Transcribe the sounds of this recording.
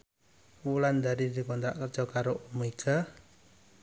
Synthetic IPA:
wuland̪aɾid̪i̤kɔnt̪ɾaʔkərd͡ʒɔkaɾoʔumeɡa

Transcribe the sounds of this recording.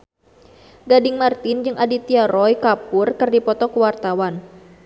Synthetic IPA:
ɡadɪŋmart̪ɪnd͡ʒɨŋʔadit̪iaɾɔjkapʊrkɨrdipɔt̪ɔkuwart̪awan

